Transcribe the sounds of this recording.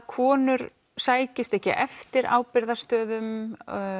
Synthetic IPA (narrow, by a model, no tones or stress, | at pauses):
kʰɔːnʏɾ | saːjcɪst̪ɛhcɪ̰ʔɛft̪ɪɾa̰ːwpɪɾðaɾst̪œːðʏm